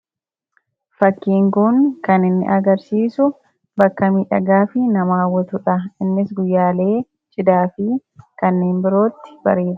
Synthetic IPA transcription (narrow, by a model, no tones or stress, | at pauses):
fɐkːiːŋkʊŋkɐnɪnːɪ̰ʔɐɡɐɾsiːsʊ | bɐkːɐmiːᶑɐɡaːfɪnɐmaːwɔt̪ʊᶑɐɪnːɪsɡʊjːaːle̞ː | t͡ʃʼɪd̪aːfɪkɐnːeːmbɪɾo̞ːt̪ːɪ̥b̥ɐɾe̞ːᶑ̪